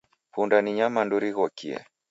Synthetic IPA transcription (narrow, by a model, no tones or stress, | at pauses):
pundaniɲamanduɾiɣɔkiɛ̰